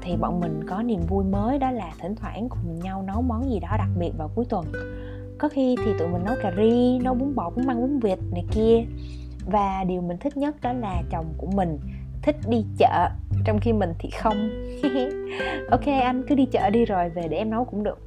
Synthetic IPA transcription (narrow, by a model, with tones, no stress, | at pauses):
t̪ʰi˨˩ɓɔ̰˧˨nmï˨˩ŋ̟kɔ˨˦ni˨˩əmvu˧jməː˨˦jɗɔ˨˦laː˨˩t̪ʰï˧˩ŋ̟t̪ʰwaː˧˩ʔaː˨˦nkʊ˨˩ŋ͡mɲa˧wnɔ˨˦wmɔ˨˦nzi˨˩ɗɔ˨˦ɗa˨˩k̚ɓi˨˩ət̚vaː˨˩wku˨˦əjt̪wə˨˩n | kɔ˨˦xi˧t̪ʰi˨˩t̪ṵ˧˨mï˨˩ŋːnɔ˨˦jkaː˨˩zi˧nɔ˨˦ɓu˨˦ŋŋ͡mɓɔ̰˧˨kʊ̰˧˥ŋ͡mmaː˧ŋʔu˨˦ŋvi˨˩ət̚nəː˨˩jki˧ə | vaː˨˩ɗi˨˩əwmï˨˩ŋ̟t̪ʰï˦˥k̟̚ɲə˦˥t̚ɗɔ˨˦laː˨˩t͡ɕə˨˩wŋ͡mku˧˩əmï˨˩ŋ̟ | t̪ʰï˦˥k̟̚ɗi˧t͡ɕə̰ː˧˨t͡ɕɔ˧wŋ͡mxi˧mï˨˩ŋ̟t̪ʰḭ˨˩xə˧wŋ͡m | ʔo˧wke˧ʔa˧jŋ̟kɨ˨˦ɗi˧t͡ɕə̰ː˧˨ɗi˧zo˨˩jve˨˩ɗe˧˩ʔɛ˧mnɔ˨˦wkʊ̰˧˥ŋ͡mɗɨ˨˩ək̚